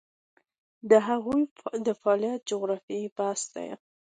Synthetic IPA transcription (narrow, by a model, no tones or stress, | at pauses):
d̪əɦaɣujd̪əfaljat̪̚d͡ʒʊɣɾɑfiebast̪a̰ja̰